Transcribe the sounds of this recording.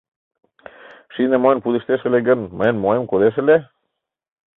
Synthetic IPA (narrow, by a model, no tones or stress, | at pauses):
ʃinemoenpuðiʃt̪eʃə̆leɡə̆nmə̆enmoemkoðeʃ̬ə̆le